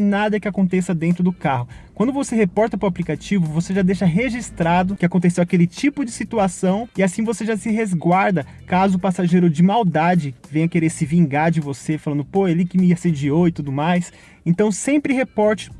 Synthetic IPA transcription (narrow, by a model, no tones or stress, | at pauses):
nad̪ɐkɪakõnt̪esɐd̪ẽnt̪ɾʊd̪ʊkaɦʊ | kwɐ̃nd̪ʊvoseɦepɔɾt̪ɐpɾʊaplikat͡ʃivʊvoseʒad̪ejʃɐɦeʒist̪ɾad̪ʊkɪakõnt̪esewakelɪt͡ʃipʊd͡ʒɪsit̪uasɐ̃w̃ɪasĩvoseʒasɪɦezɡwaɾd̪ɐ | kazʊʊpasaʒejɾʊd͡ʒɪmawd̪ad͡ʒɪvẽj̃ɐkeɾeɾsɪvĩŋɡaɾd͡ʒɪvosefalɐ̃nd̪ʊpoelikɪmɪased͡ʒiowɪt̪ud̪ʊmajs | ẽnt̪ɐ̃w̃sẽmpɾɪhepɔɾt͡ʃɪ̥